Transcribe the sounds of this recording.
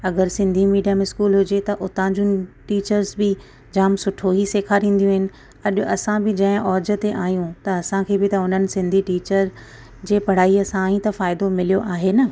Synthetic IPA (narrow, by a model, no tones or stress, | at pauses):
ɐɡəɾsɪ̃nd̪ʱimiːɖijamɪskuːlɦʊd͡ʑet̪ɐʔʊt̪ãd͡ʑũʈiːt͡ɕəɾzbɪ | d͡ʑaːmsʊʈʰoɦiseːkʰaɾĩːn̆d̪jũɦɪnɪ̆ | ɐɗʊʔɐsãbɪd͡ʑɐ̃ɦɪ̃ʔɔːd͡ʑə̆t̪eʔaːijũt̪ɐɐsãkʰeːbɪt̪ɐʊn̤ənɪ̆sɪ̃nd̪ʱiʈiːt͡ɕəɾ | d͡ʑeːpɐɽ̤aːiɐsãɦĩt̪ɐfaːɪd̪omɪlijoʔaːɦenɐ